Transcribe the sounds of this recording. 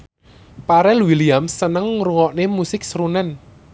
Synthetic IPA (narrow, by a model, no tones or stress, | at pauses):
paɾɛluwiliamsənəŋɾuŋɔʔnemusɪk̚sɾunɛn